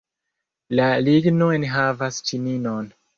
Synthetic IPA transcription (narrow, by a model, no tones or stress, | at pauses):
laliɡnunɦavast͡ʃininon